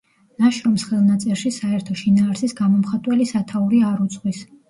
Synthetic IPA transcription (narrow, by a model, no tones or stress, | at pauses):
naʃɾɔmsχɛlˠnat̪sʼɛɾʃisaɛɾt̪ʰɔʃinaːɾsisɡamɔmχat̪ʼwɛlisat̪ʰauɾiaɾut̪sʼqʼwis